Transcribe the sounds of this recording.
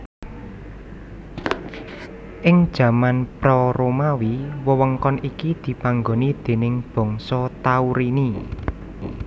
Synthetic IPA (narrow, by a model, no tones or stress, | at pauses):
ʔɪŋd̥ʒ̥ä̤manpɾɔɾomawiwəwəŋkɔnikid̪̥i̤paŋɡo̤nid̪̥e̤nɪŋb̥ɔ̤ŋsɔt̪auɾini